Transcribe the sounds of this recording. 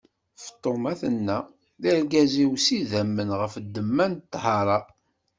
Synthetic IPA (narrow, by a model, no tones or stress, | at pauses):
ft̪ˤːomæθənːæ | ðilɡæziwsiðæmːənʁəfd̪ːəmːænt̪ːhɑɾˤɑ